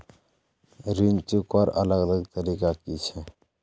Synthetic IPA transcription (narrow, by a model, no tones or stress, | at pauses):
ɾint͡ʃukpəɾə̰ləɡələɡt̪əɾikakit͡ʃʰɛ